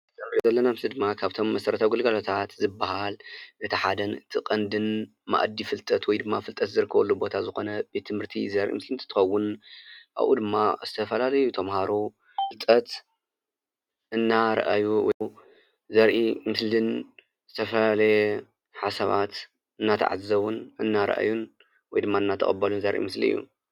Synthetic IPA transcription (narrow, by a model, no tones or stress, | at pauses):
t̪ɐmzɐlːɐnamzɨd̪ɨmːakʰaβt̪ʰo̞mːɐsɐɾɐt̪ʰawɡɨlɡɐlot̪ʰat̪zɨbːahalʔɨt̪ʰiħad̪ɐnɨt̪ʰɨkʼɐnd̪ɨn | ma̰ʔd̪ːifɨlt̪ʼɐt̪wɔjd̪ɨmːafɨlt̪ʼɐt̪zɨɾɨkʰːɐβɐlːubo̞t̪ʰazɨxo̞nɐbet̪ʰːɨmhɨɾt̪ʰḭzɐɾʔḭmɨslɨnt̪ʰɨt̪ʰɨ̥xɐwːʊnʔa̰βʔṵd̪ɨmːaz̥ɨt̪ʰɐfɐlalɐjut̪ʰɐmhaɾu | fɨlt̪ʼɐt̪ | ɨnːaɾɐ̰ʔajuwɔ̰ | zɐɾʔimɨslɨn | zɨt̪ʰɐfɐlalɐjɛ | ħasɐβa̰t̪ | ɨnːat̪ʰa̰ʕa̰zzɐwunɨnːaɾɐ̰ʔa̰jun | wɔjd̪ɨmːaɨnːat̪ʰɐ̰χʼɐbːɐlunzɐɾʔḭmɨslḭɨjːṵ